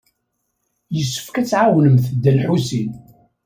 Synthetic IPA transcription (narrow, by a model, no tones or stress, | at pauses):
jəsːə̥fkæt͡sːʕawnəmθəd̪ːəlħusin